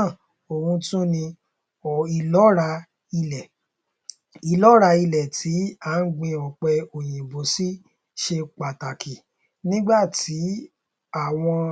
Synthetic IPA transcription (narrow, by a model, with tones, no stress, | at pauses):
o˨ɾũ˧tũ˦nĩ˧˨ | i˨lɔ˨˦ɾa˧ | i˧lɛ˨ | i˨lɔ˨˦ɾa˧i˧lɛ˨tʰi˨˦a˦n̩˦ɡ͡bĩ˧ɔ˨k͡pɛ˧o˨j̃ĩ˨bo˨˦si˦ | ʃe˧k͡pa˨ta˨ki˨ | nĩ˦ɡ͡ba˦˨tʰi˨˦ | a˦˨w̃ɔ̃˧